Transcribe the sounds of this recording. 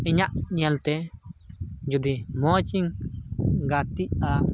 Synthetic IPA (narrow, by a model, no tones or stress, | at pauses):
ɛɲaʔɲɛlt̪ɛ | d͡ʒud̪imɔt͡ʃiŋ | ɡat̪iʔ̚a